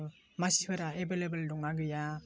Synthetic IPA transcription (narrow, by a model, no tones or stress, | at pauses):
masipʰɯɾaebelebɯldɔŋaɡɯja